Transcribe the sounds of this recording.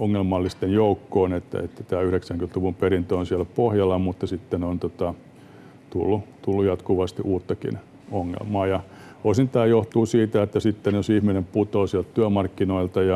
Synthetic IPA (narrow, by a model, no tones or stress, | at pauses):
oŋːelmɑlːist̪enjoukːoːnet̪ːæ̰ḛt̪ːæt̪æːyhɾeksæŋkynt̪luʋumperint̪øonsiælpohjɑlːɑmut̪ːɑsit̪ːenont̪ot̪ɑ | t̪ulːut̪ulːujɑt̪kuʋɑst̪iʔuːt̪ːɑkḭn | oŋːḛlmɑːjɑ | osint̪æːjoht̪uːsiːt̪æet̪ːæsit̪ːenjosihminemput̪oːsiælt̪t̪yæmɑrkːinoilt̪ɑjɑ